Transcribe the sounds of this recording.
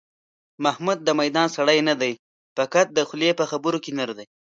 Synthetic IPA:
mahmud̪̚ːəmajd̪ɑnsaɽajnad̪aj | pakat̪̚d̪əxʊljepəxabʊɾokenaɾd̪aj

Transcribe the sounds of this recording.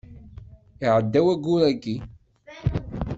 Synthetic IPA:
iʕəd̪ːæwæɡulækːi

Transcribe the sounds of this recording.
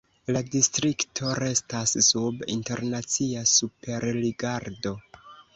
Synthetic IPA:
ladistɾiktʰo̞ɾe̞stasːubḭnte̞ɾnat͡siasupe̞ɾliɡaɾdo̞

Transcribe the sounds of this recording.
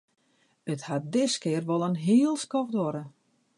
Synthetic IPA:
əthat̚dɪskɪərʋɔlˠənɦiəlˠskɔxdɔɾə

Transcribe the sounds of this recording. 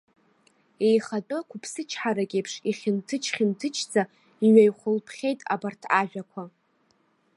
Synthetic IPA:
e̞jχatʼɨkʷʰʊpʰsɨt͡ʃʰħaɾakʲʼejpʰʂiχʲɪntʰɨt͡ʃʰχʲɪntʰɨt͡ʃʰd͡zʼa | iɥajχʷʊlpʰχʲejtʼa̰bartʰaʒᶣakʷʰa

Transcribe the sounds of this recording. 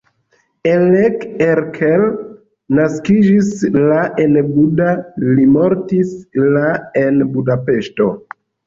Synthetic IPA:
elekeɾkʰel | naskid͡ʒislaʔe̞nbudalimo̞ɾtislae̞nbudape̞ʃto̞

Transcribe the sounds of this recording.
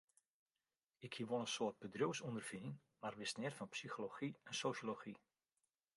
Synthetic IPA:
ɪkʰhiəʋonənsoət̚bədruwsundərv̥iən | marʋɪsnɪtfɔnpsixoloxiɛnsoːʃoloxi

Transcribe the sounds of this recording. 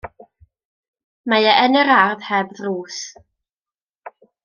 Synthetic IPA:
majaʔɛnɛɾarðhɛbðruːs

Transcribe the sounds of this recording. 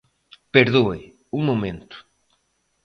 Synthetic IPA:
peɾðoe | uŋmomẽnt̪ʊ̥

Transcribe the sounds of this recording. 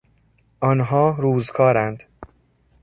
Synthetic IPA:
ʔɒnɦɒːɾuːzkʰɒːɾænd̪̥

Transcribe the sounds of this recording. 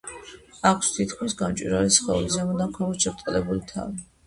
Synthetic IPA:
akʰst̪ʰit̪kʰmisɡamt͡ʃʼwḭɾalisχɛulizamɔd̪amkʰavɔʃɛpt̪ʼlɛbulit̪ʰa̰vi

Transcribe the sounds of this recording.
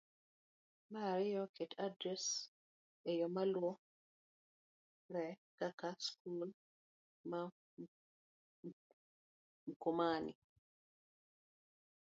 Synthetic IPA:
maɾɪjɔketʰadɾɛs | ejɔmalwɔ | ɾɛkakaskul | ma | m̩komanḭ

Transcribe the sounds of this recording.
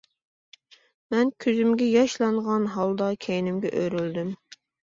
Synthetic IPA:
mɛnkʲʰøzymɡʲɛjɑʃlˠɑɴʁɑnɦɑlˠd̪ɑkʲʰejinɪmɡʲɛʔøɾyld̪ym

